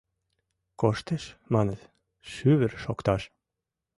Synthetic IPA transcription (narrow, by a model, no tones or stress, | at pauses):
koʃt̪əʃmɑnə̆t̪ | ʃyβɘ̆ɾʃokt̪ɑʃ